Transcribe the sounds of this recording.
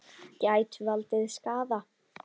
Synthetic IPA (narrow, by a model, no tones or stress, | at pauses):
caːjt̪valt̪ɪðskaːða